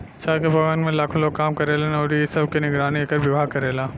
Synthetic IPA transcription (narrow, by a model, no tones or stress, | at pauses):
saːkebʱɐɡənmẽlaːkʰõloːɡ̚kːaːmkɐɾeːlenɔːɾijesɐb̚kinɪɡɾaːnieːkɐɾbɪbʱaːkɐɾeːlaː